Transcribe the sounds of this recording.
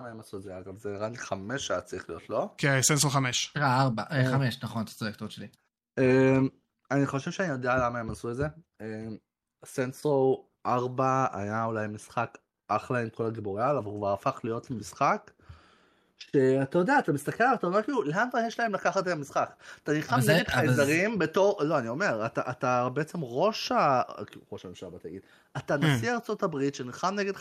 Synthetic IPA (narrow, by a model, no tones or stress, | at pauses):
amaemasuedzeaɡavzenʁanliχameʃaat͡saʁiχlijo̞tlo̞kesensoχameʃʁaaʁbaʔeχameʃnaχo̞nt̪ḁsoekt̪ot̪ʃeli | em | aniχo̞ʃevʃeanijo̞d̪ealamae̞masuetdze̞ | em | senso | ʔaʁbaa̰jaulajmisχak | ʔaχlaimkʰo̞laɡiboʁjalavalukvaʁafaχlijo̞t̪lemisχak | ʃe̞at̪ajo̞d̪eaːt̪amist̪akelat̪ajome̞kiːluleantajeʃlae̞mlakaχat̪eamisχakat̪aniχamneɡɡed̪χajzaʁimbet̪o̞ʁlo̞anio̞me̞ʁat̪aʔat̪abeet͡se̞mʁo̞ʃakiuʁo̞ʃaemʃabat̪aja̰ɡid̥̪ | at̪anasiaʁt͡so̞tabʁit̪ʃeniχamneɡed̪